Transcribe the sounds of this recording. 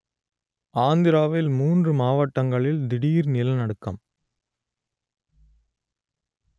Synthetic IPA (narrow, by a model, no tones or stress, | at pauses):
aːnd̪ɪɾaːʋɪlmuːndrɯmaːʋɐʈːɐŋɡɐɭɪld̪ɪɽijɪɾnɪlɐnɐɽɯkːɐ̰m